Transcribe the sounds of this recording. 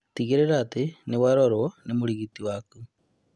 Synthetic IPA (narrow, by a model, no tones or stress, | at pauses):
t̪iɣeɾeɾat̪enewaɾɔɾoɔnemoɾiɣit̪iwaku